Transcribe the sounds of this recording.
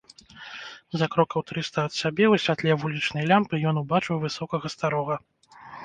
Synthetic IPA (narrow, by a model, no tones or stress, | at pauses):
zakɾɔkɐwt̪ɾɨst̪ɐɐt̪sʲabʲɛusʲvʲat̪lʲɛvulʲit͡ʂnɐjlʲampɨjɔnubat͡ʂɨwvɨsɔkɐɣɐst̪aɾɔɣɐ